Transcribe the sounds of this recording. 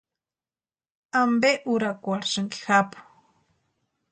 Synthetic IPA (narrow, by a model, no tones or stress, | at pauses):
ambeʔuɾakwaɾʃaŋki̥xapʊ̥